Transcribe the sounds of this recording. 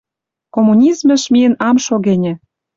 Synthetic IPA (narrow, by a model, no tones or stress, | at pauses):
komunʲizmə̆ʃmijənɑmʃoɣenʲĕ